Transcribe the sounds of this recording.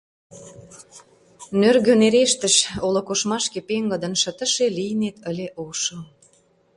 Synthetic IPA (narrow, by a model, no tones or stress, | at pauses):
nørɣøneɾeʃt̪ə̆ʃolokoʃmɑʃkepeŋɡə̆d̪ə̆nʃə̆t̪ə̆ʃelijnet̪əlʲeʔoʃəl